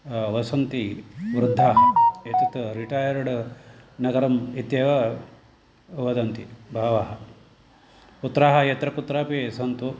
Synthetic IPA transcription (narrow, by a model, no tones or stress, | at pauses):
ʋɐsɐnt̪iʋɾud̪ʱːaːɦɐet̪it̪ɾiʈaːjɐɾɽnɐɡɐɾɐmit̪jɐʋɐ | ʋɐd̪ɐnt̪ibʱaːʋaːɦɐ | put̪ːɾaːɦɐjɐt̪ɾɐput̪ɾaːpisɐnt̪u